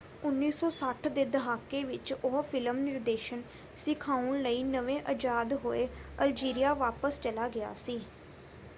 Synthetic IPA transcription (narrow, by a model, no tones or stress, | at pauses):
ʊnːiːsɔːsəʈʰd̪eːd̪əɦaːkːeːʋɪt͡ʃoɦfʰɪləmnɪɾd̪eːʃən | sɪkʰaːʊnləiːnəʋẽːʔəd͡ʒaːd̪ɦoːeːəld͡ʒiːɾijaːʋaːpəst͡ʃəlaːɡɪja̰ːsiː